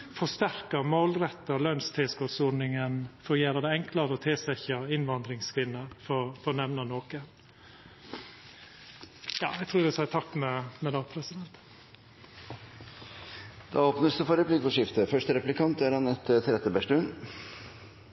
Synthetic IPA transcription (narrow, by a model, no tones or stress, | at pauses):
fɔst̪æɾkəmoːlɾɛt̪ːəlœnst̪ʰeskoːsɔdnɪŋənfɔɾjeːɾəd̪ɛɛŋklɑɾəɔt̪ʰɪlsɛçɑɪnʋɑnd̪ɾɪŋskʰʋɪnːəɾfɔfɔnɛʋnɑnoːkən | jɑ̰ːæɡt̪ʰɾuːd̪ɛsɑɪt̪ʰɑkːmɛmɛd̪ɑːpʰɾɛsɪd̪ɛnt̪ | d̪̥ɑoːpnəsd̪əfɔɾəplɪɡfɔʂɪft̪əfœʂʈəɾɛplɪkʰɑnt̪æɾhɑnɛt̪t̪ʰɾɛt̪ːəbæʂʈʉn